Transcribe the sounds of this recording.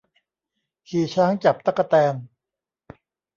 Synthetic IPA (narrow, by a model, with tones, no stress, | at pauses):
kʰiː˨˩t͡ɕʰaː˦˥ŋt͡ɕa˨˩p̚t̪a˦˩kːa˧t̪ɛː˧n